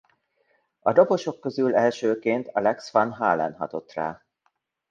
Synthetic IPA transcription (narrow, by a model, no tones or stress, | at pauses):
ɒd̪o̞po̞ʃo̞kːøzylɛlʃøːkeːnt̪ɒlɛksfɒnɦaːlɛ̰nɦɒt̪o̞t̪ra̰ː